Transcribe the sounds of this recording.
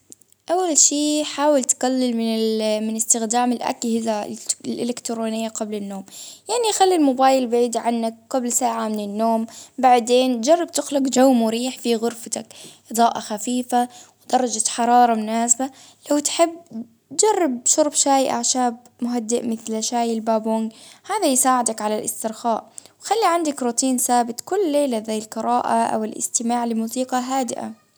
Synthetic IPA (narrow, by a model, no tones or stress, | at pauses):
ʔawːalʃiːħaːwɪlt̪kalːɪlmɪnɪmɪnɪst̪ɪxd̪aːmɪlʔa̰khɪzalʔɪ̰lɪkt̪ɾoːnɪjːaqablɪnːoːmjaʕnixalːilmʊbaːjɪlbʕiːd̪iʕanːak̚ːablsaːʕamɪnɪnːoːmbaʕd̪eːnd͡ʒɑrˤːɑb̚t̪ɪxlʊqd͡ʒawmʊɾiːħfiɣʊɾfat̪akʔɨd̪ˤɑːʔaxafiːfawd̪ɑɾˤːɑd͡ʒat̪ħɑɾˤɑːɾˤɑmʊnaːsba | lawt̪ħɪbː | d͡ʒɑrˤːɪb̚ʃʊɾˤbʃaːjʔa̰ʕʃaːb̚ | mʊɦad̪ːɪʔmɪθlaʃaːjɪlbaːbʊŋɡhaːðajsaːʕɪd̪akʕalalʔɪst̪ɪɾxaːʔwxalːiʕand̪akɾuːt̪iːnsaːbɪt̪ˤkʊlːeːlazajːɪlqɨɾɑːʔa̰ʔa̰wɪlʔɪ̰st̪ɪmaːʕlɪmuːsiːqɑɦaːd̪ɪʔa̰